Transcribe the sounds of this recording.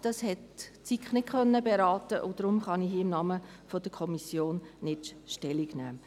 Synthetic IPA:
d̥ɑshɛtt͡sikχnɪtkʰœnːəbeɾɑːtəʔʊd̥ɾʊmχɑnihiːɪmnɑːmə | fod̥əkʰɔmisjoːnnɪtʃtɛliɡnæ̰ː

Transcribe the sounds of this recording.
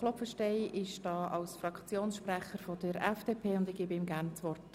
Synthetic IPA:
lɔfəʃtɛɪʔɪʃd̥ɑːʔɑlsfrɑkt͡sjoːnsʃprɛχəɾfɔd̥əɾɛfd̥eːpʰeːʊndɪɡ̥iːbəɪmɡæːɾnt͡svɔrt

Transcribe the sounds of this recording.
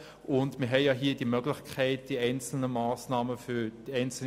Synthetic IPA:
ʔʊndmɪːɐɦɛɪjaɦiːɐd̥imœɡlɪçkʰɛɪt̚d̥iɛɪnt͡sl̩nəmaːsnaːməfyːd̥iɛɪnt͡sl̩

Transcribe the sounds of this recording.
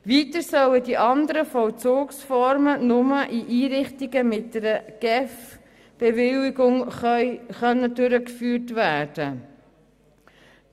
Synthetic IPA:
viːtəɾsœlədiʔɑnd̪əɾəfɔlt͡soːksfɔɾmənʊməʔiʔiːɾɪχtiɡəmɪt̚dəɾəɡ̥ɛf | b̥ɛvɪliɡʊŋ | χœnːədʉɾəkfyːɾtvæːd̥ə

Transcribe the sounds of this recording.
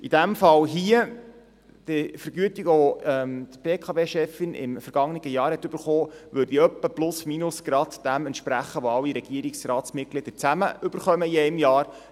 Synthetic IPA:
id̥æmfɑlɦiə | d̪̥ɪfəɾɡ̥yətiɡəɔɛmd̪b̥eːkʰɑveːʃɛfɪnɪ̰mfəɾɡ̥ɑŋniɡəjɑːɾhɛt̪ɵb̥əɾχoːʋʉɾd̥iœpːəplʊsminʊsɡ̥ɾɑd̪d̥æmɛnt̪ʃpɾæχəʋɔɑlːiɾɛɡ̥iəɾiksɾɑːt̪smɪt̚klɪd̪̥ət͡sæməɵb̥əɾχœməiɛɪmjɑːɾ

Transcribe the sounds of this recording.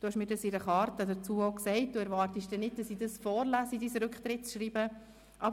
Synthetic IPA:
d̥ʊːhɛʃmiːɾdɑsɪɾəχɑːɾtədət͡suːoʊksɛɪt̚d̥uːɛɾvɑːrtiʃd̥ɛnːɪd̚d̥ɑsiːdɑsfɔːɾlæːsidiːsəɾʉkχtɾɪtt͡sʃɾiːbə | ʔɑb

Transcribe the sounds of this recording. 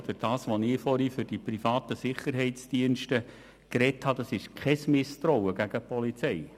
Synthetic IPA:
d̥əɾd̥ɑːsʋonɪːfɔɾifʏɾd̥iprifɑːt̪əsɪχəɾɦɛɪtsd̥iənʃtə | krɛthɑd̥̪ɑsɪʃkʰχɛsmɪst̪ɾɔwəɡ̥æɡ̥əpɔlit͡sɛɪ

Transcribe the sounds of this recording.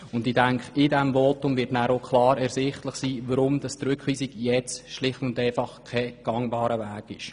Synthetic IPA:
ʊndɪdæŋkχɪdɛmvoːtʊmvɪtnæːɾokχlɑːɾɛɾsɪχtləχsiːʋəɾʊmd̥ɑstɾʏkχʋiːsiɡjɛt͡sʃlɪχtʊndɛɪfɑχkʰɛɡ̥ɑŋbɑːɾəvæːɡ̥ɪʃ

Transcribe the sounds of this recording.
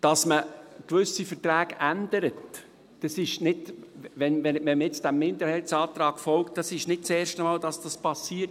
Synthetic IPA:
d̥ɑsməkʋʏsifətɾæːɡ̥ændəɾət | d̥ɑsɪʃnɪdʋɛnʋɛmɛmjɛt͡sd̥æmːɪnd̪əɾhɛlsɑːt̪ɾɑːɡ̥fɔlktd̥ɑsɪʃnɪt̚t͡seːɾʃtəmɑːld̥ɑsd̥ɑspɑsːiːəɾt

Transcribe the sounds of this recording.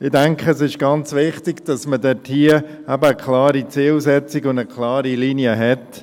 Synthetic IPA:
ɪdæŋkχəsɪʃɡ̥ɑnt͡sʋɪχtɪɡd̥ɑsmədɛthiə | æbəːkʰlɑːɾit͡siːlsɛt͡sɪɡʊndəkʰlɑːɾiliniəɦɛt

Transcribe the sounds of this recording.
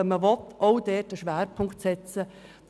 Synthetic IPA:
əməʋɔtoʊdɛːtəʃʋæːɾpʰʊŋktsɛt͡sə̥

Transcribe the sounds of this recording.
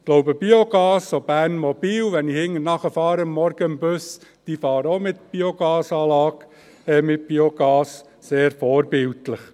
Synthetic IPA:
ɡ̥loʊbəb̥ioɡ̥ɑːsːob̥æːnmɔb̥iːwʋɛnihɪŋːənɑχəfɑːɾəəmːɔɾɡ̥əəmbʉsd̥ifɑːɾəomɪt̪b̥ioɡ̥ɑːsɑːlɑːɡ | ɛmɪt̚b̥ioɡ̥ɑːs | seːɾfɔːɾbɪltləχ

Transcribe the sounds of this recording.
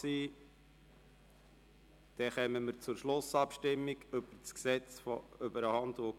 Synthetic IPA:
siː | d̪̥ɛχɛməməɾt͡sʊɾʃlʊsɑpʃtɪmːiɡɵb̥əɾt͡sksɛt͡sføbəɾəhɑnd̪o

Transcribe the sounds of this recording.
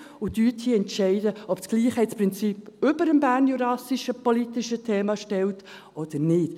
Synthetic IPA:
ʊtyːthiːɛntʃɛɪdəɔpsɡ̥liːχhɛɪtspʁɪnt͡siːpʏbəɾəmbæːɾnjuɾɑsiʃəpɔlitiʃətʰeːmɑʃtɛlt | ʔɔd̥ənɪt

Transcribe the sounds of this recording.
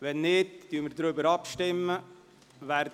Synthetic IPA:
ʋɛnːɪtd̥yːməɾd̪ɾʏbəɾɑpʃtɪmːə | ʋæɾd

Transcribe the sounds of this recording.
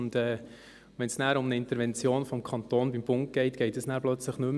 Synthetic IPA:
ndɛː | ʋɛnsnæːɾʊmnəɪntəɾʋɛnt͡sjoːnfɔmkʰɑnt̪oːnbimb̥ʊŋk̚ɡ̥ɛɪtɡ̥ɛɪtəsnæːɾplœt͡sləχnʏm

